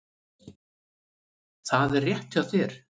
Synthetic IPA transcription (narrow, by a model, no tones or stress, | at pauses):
θaðɛrːjɛht̪aðθɪɾ̥